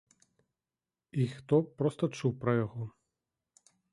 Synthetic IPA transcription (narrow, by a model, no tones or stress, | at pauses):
ixt̪ɔpɾɔst̪ɐt͡ʂuwpɾɐjɔɣɔ